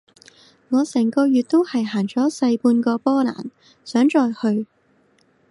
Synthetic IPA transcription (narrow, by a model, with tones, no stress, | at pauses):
ŋɔː˨˧sɛː˨˩ŋkɔː˧jyː˨t̚t̪o˥whɐ˨jɦaː˨˩ŋt͡ʃɔː˨˥sɐ˧jpuː˧nkɔː˧pɔː˥la̰ː˨˩n | sœː˨˥ŋt͡ʃɔː˨˧jhɵ˧ɥ